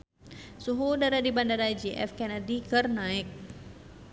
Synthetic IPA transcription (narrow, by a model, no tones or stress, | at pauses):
suɦudaɾadibandaɾad͡ʒiʔɛ̰fkɛnadikərnaɪk̚